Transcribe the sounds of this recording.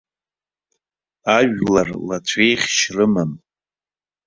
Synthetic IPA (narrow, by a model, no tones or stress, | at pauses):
aʒᶣlarlat͡ɕʷʰejχʲʃrɨman